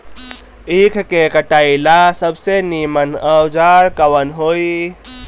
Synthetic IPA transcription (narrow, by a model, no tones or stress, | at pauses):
ikʰkekəʈaːilasəbsenimənəwd͡ʒaːɾkəwənɦoːi